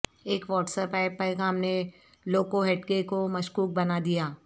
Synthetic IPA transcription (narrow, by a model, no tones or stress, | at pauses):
eːkʋɔːʈsəpaːɪpaekɦɐmne | loːkoɦeːʈkekomɐʃkuːk̚bɐnad̪ijaː